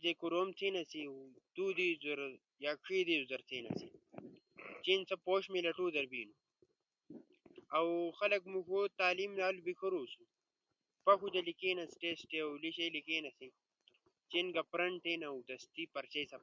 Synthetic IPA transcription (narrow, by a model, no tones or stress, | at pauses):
d̪ekuɾoːmt͡s̪ʰeːnɐsiwt̪uːd̪izɐɾ | jakʰiːd̪iuzɐɾt̪ʰeːnɐ̰sḭ | t͡ʃinsɐpoːɕmilɐʈuːd̪ɐɾbiːnu | ɐwxɐlɐkmukoːt̪aːlimlaːlubikʰɐɾuːsu | pɐkud̪ɐlikeːnɐsi̥ʈesʈewliɕelikeːnɐsi | t͡ʃenɡɐpɾɐɳʈeːnɐwd̪ɐst̪ipɐɾt͡ɕesɐ